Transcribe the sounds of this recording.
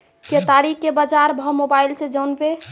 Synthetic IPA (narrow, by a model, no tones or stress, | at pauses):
ket̪aɾikkebad͡ʒaɾbʱɔmobailsẽd͡ʒəwnbe